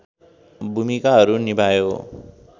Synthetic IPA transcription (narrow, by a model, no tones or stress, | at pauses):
bʱumikaɦʌɾunibajo